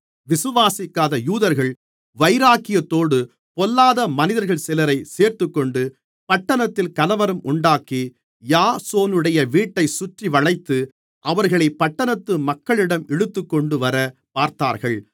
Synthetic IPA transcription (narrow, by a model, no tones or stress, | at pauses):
ʋɪsɯʋaːsɪkːaːðɐjuːðɐɾɣɐɭ | ʋɐɪɾaːkɪjɐt̪ːoːɽɯ | pɔlːaːðɐmɐnɪðɐɾɣɐɭsɪlɐɾɐɪseːɾt̪ɯkːɔɳɖɯ | pɐʈːɐnɐt̪ːɪlkɐlɐʋɐɾɯmʔʊɳɖaːki | jaːsoːnɯɽɐjɐʋiːʈːɐɪsʊʈriʋɐɻɐɪt̪ːɯ | ʔɐʋɐɾɣɐɭɐɪpːɐʈːɐnɐt̪ːɯmɐkːɐɭɪɽɐmɛɽɯt̪ːɯkːɔɳɖɯʋɐɾɐpaːɾt̪aːɾɣɐɭ